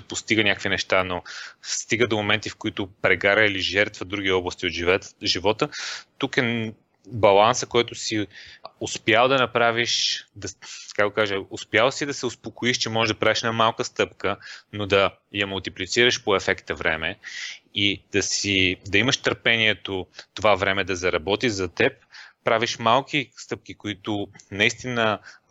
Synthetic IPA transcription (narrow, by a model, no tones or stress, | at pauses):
post̪iɡənʲakkvinɛʃt̪anost̪iɡəd̪omomɛnt̪ifkoit̪ʊpɾɛɡaɾəiliʒɛɾt̪vəd̪ɾuɡ̟iɔblˠəst̪iot̪ʒivɔt̪ət̪ukɛn | bɐlˠansəkoɛt̪ʊsiʊspjalˠd̪ɐnɐpɾaviʃd̪ɐkakɡ̪okaʒəʊspjalˠsid̪ɐsɛospokoiʃt͡ʃɛmɔʒɛʒd̪ɐpɾaviʃɛnamalˠkəst̪ɤpkənod̪ɐ | jɐmulˠt̪iplit̪siɾəʃpoɛfɛkt̪ɐvɾɛ̰mɛid̪̥ɐsid̪ɐiməʃt̪əɾpɛniɛt̪ot̪ovavɾɛmɛd̪ɐzɐɾɐbɔt̪iʒzɐt̪ɛp̚pɾaviʃmalˠkist̪ɤp̚k̟ikoit̪ʊnɐist̪inə